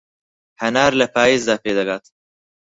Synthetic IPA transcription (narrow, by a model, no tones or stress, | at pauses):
hɐnɑːɾlapɑːizd̪ɑːped̪ɐɡaːt̪